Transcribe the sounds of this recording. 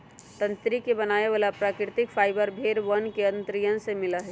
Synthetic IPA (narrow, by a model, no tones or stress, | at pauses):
t̪ə̃nt̪ɾikebənaːeʋaːlapɾaːkɾɪt̪ɪkfʰaːɪbəɾbʱeːɾʋənkeə̃nt̪ɾijənsemɪləɦɛ